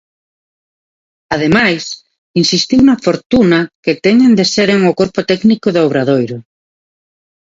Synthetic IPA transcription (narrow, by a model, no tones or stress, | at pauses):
að̞emajs | insist̪iwnɐfoɾt̪unɐket̪ɛɲend̪eseɾeŋokoɾpʊt̪ɛknikʊðoβɾaðojɾʊ